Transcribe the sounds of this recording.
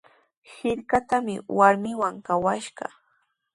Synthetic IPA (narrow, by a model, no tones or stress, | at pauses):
hɪʎkat̪amɪwaɾmɪwaŋkawaʃɢɑ̰